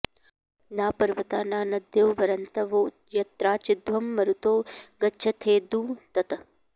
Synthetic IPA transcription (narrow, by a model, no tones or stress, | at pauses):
naːpɐɾʋɐt̪aːnaːnɐd̪ʱjoːʋɐɾɐnt̪ɐʋoː | jɐt̪ɾaːt͡ʃɪd̪ʋɐmːɐɾut̪oːɡɐtːt͡ʃʰɐt̪ʰeːd̪uːt̪ɐt̪ɐ